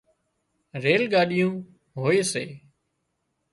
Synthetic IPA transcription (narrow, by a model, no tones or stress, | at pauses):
ɾeːlɠaːɗɪjũː | ɦoːeːseː